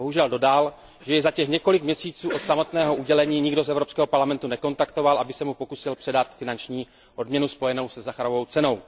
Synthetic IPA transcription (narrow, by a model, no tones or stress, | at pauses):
boɦuʒɛldo̞dal | ʒɛjɛzacɛxɲɛko̞lɪkmɲɛsiːt͡suːʔot̪samo̞t̪nɛːɦo̞ʔuɟɛlɛɲiːɲɪɡdozɛvɾo̞pskɛːɦopaɾlamɛnt̪unɛko̞nt̪akt̪o̞valʔabɪsɛmupo̞kusɪlpr̝̥ɛdat̪fɪnant͡ʃɲiː | ʔo̞dmɲɛnuspo̞jɛno̞wsɛzaxaɾovo̞wt͡sɛno̞w